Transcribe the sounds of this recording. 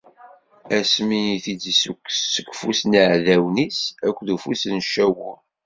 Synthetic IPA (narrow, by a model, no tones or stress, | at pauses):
æsmiiθid͡zsukːsːəkʷːfusniʕðæwnisækʷːðufusənʃːæwʊ